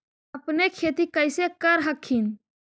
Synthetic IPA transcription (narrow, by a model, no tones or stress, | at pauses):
əpnekʰeːt̪ikəɪsekəɾɦəkʰːin